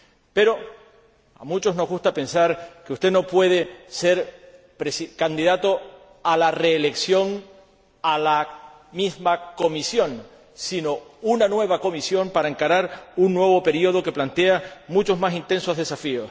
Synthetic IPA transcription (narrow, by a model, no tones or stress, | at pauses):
pe̞ɾo̞ | a̰mut͡ʃo̞zno̞zɣust̪ape̞nsaɾkeust̪e̞no̞pwe̞ð̞e̞se̞ɾ | pɾesikand̪iðat̪o̞ | alare̞ːle̞ksjo̞ŋ | ala | mizmako̞misjõ̞ŋ | sinounanwe̞β̞ako̞misjo̞mpaɾaeŋkaɾaɾunːwe̞β̞o̞pe̞ɾio̞ð̞o̞ke̞plant̪e̞amut͡ʃo̞zmasint̪e̞nso̞zðe̞safios